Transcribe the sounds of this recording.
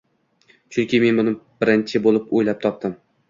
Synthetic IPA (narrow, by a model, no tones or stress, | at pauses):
t͡ʃʰʊŋkʲɪme̞nbʊnɪb̥ɪɾɪnt͡ʃʰɪbolˠɪpojlap̚t̪ʰɒp̚t̪ɪm